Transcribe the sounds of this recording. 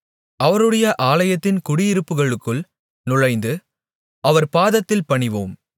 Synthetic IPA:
ʔɐʋɐɾɯɽɐjɐʔaːlɐjɐt̪ːɪnkʊɽɪjɪɾɯpːɯɣɐɭɯkːɯɭ | nʊɻɐɪnd̪ɯ | ʔɐʋɐɾpaːðɐt̪ːɪlpɐɳɪʋo̰ːm

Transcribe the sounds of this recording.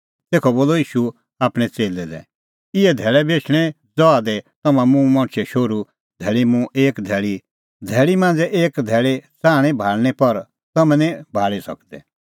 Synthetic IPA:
seːkʰɔboːlɔiːʃu | aːpɽ̃ɛ̃t͡seːlɛd̪ɛ̰̃ | ɪɛd̪ʱɛːɭɛbeːt͡ʃʰɽ̃ɛ | d͡zɔad̪ɛt̪ɐmãmũmɔ̃ɽ̃t͡ʃʰɛʃoɾu | d̪ʱɛːɭimũʔeːkd̪ʱɛːɭi | d̪ʱɛːɭimãːnd͡zɛʔeːkd̪ʱɛːɭet͡saːɽ̃ɛ̃bʱaːɭñɛpɐɾ | t̪ɐmɛ̃nĩbʱaːɭisɐ̰kd̪ɛ̰

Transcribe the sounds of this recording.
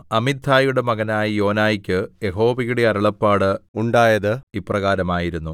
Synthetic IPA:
ɐmid̪ʱʰaːjuɽe̞mɐɣɐnaːjijo̞ːnaːjikʲːɨje̞ɦo̞ːʋiɣuɽeɐɾɐɭɐpːaːɽɨuɳɖaːjɐðɨiprɐɣaːɾɐmaːjiɾunːu

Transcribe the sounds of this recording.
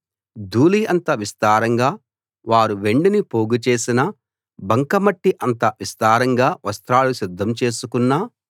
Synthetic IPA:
d̪ʱuːliɐnt̪ɐʋist̪aːɾɐŋɡaː | ʋaːɾuʋe̞ɳɖinipoːɡut͡ʃe̞ːsinɐ | bɐŋkɐmɐʈːiʔɐnt̪ɐʋist̪aːɾɐŋɡaːʋɐst̪ɾaːlusid̪ʱːɐmt͡ʃe̞ːsukunːa

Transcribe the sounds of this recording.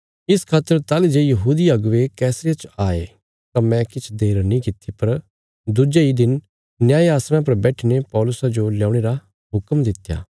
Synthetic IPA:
ɪskʰaːt̪ːəɾt̪aːlid͡ʒejɐɦuːd̪iɐɡʋekɛːsɾit͡ʃaːḛ | t̪ãmɛ̃kɪt͡ʃʰd̪eːɾnĩːkɪt̪ʰːipɐɾ | d̪ʊd͡ʒeid̪ɪn | njaːeaːsɾ̃ãpɐɾbɛːʈʰinepɔːlʊsad͡ʒoljãːʊɽ̃eɾa | ɦʊkəmd̪ɪt̪ːja̰ː

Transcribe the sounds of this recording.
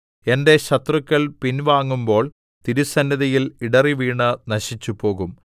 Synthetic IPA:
e̞nde̞ɕɐt̪rukʲːɐɭpinʋaːŋːumbo̞ːɭ | t̪iɾusɐnːɐðɐjiliɽɐriʋiːɳɨnɐɕit͡ɕːupo̞ːɣum

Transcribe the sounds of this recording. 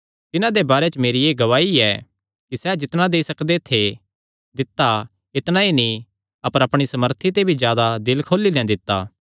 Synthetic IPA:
t̪ɪnãd̪ebaːɾet͡ʃmeːɾieːɡɐʋaːiɛ | kisɛd͡ʒɪt̪ñãd̪eisɐkd̪et̪ʰe | d̪ɪt̪ːa | ɪt̪nãinĩ | ɐpəɾɐpɽ̃isɐməɾt̪ʰit̪̬ebʱizjaːd̪ad̪ɪlkʰoːlilɛ̃d̪ɪt̪ːa̰ː

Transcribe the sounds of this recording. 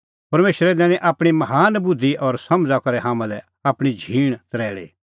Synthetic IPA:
pɐɾmeːʃɾɛd̪ɛ̃ːnĩʔaːpɽ̃imɐɦaːnbʊd̪ʱːiʔɔːɾsɐ̃md͡zakɐɾɛɦaːmãlɛ | aːpɽ̃id͡ʒʱiːɽ̃t̪ɐɾɛːɭḭː

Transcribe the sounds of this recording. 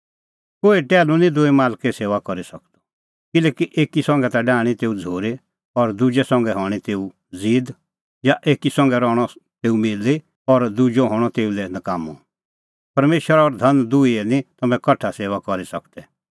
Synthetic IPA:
koːiʈɛːlũnĩd̪ʊimaːlkɛseːʋakɔɾisɐkt̪ɔ̥ | kɪlɛːkiʔeːkisɔ̃ŋɡɛt̪aɖaːɽ̃it̪eːud͡zʱoːɾe | ɔɾd̪ud͡ʒɛsɔ̃ŋɡɛɦɔːɽ̃it̪eːu | d͡ziːd̪ | jaʔeːkisɔ̃ŋ̆ɡɛɾɔːɽ̃ɔt̪eːumɪli | ɔɾd̪ud͡ʒɔɦɔːɽ̃ɔt̪eːulɛnɐkaːmu | pɐɾmeːʃəɾaɔɾd̪ʱɐnd̪uiɛnĩt̪ɐmɛ̃kɐʈʰaseːʋakɔɾisɐkd̪ɛ

